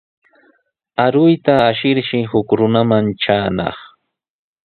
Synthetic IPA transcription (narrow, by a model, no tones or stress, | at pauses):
aɾʊjt̪aːʃɪɾʃɪhʊkɾʊnamanʈ͡ʂaːnɑ̰χ